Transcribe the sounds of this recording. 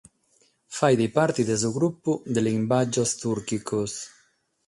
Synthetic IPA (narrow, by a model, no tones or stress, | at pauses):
fajðipaɾt̪iðezuɣɾupud̪elimbad͡ʒost̪uɾkikos